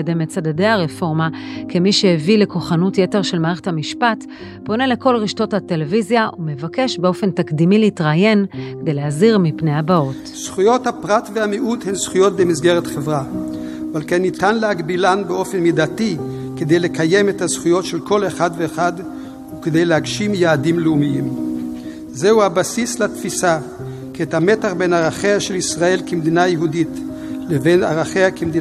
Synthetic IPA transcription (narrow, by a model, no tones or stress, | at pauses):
edemet͡sadadejaʁefo̞ʁmakemiʃehevile̞ko̞χanutjete̞ʁʃe̞lmaːʁeχethamiʃpat | po̞ne̞le̞ko̞lʁiʃto̞thate̞levizjaʔumevake̞ʃbeo̞fe̞ntakd̪imileitʁaje̞nkedejlehaziʁmipnejhabao̞t | sχujo̞thapʁatvehamiʔuthensχujo̞t̚bemizɡeʁetχevʁa | valkenːitanlehaɡbilanbeo̞fenmidati | ked̪ejle̞kʰaje̞methazχujo̞tʃelko̞leχadveːχad | ukede̞jleɦaɡʃimjaːdimleumijim | zehuhabasislatfisa | kiethametaχbenaʁaχeaʃelisʁae̞lkemd̪inajeɦudit | leve̞na̰ʁaχeakʰemd̪i